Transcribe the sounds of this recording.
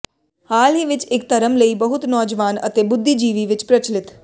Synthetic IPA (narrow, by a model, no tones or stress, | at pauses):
haːlɦiʋɪt͡ʃɪk̚t̪əɾəmləiːbəɦʊt̪nɔːd͡ʒʋaːnət̪eːbʊd̪ʱːiːd͡ʒiːʋiːʋɪt͡ʃpɾət͡ʃlɪt̪